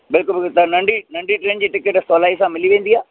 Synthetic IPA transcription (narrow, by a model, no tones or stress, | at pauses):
bɪlkʊlbɪt̪ɐnɐ̃ɳɖʱinɐ̃ɳɖiʈɾẽːnd͡ʑiːʈɪkəʈsɔːlaːisãmɪliʋẽːnd̪iaː